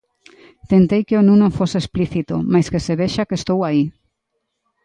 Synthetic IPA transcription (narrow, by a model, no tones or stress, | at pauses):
t̪ent̪ejkeonũnõfoseespliθit̪omajskeseβeʃakest̪owai